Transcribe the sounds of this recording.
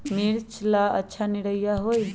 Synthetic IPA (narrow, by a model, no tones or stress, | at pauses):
miɾt͡ʃʰlaətːʃʰaniɽəjjaɦoj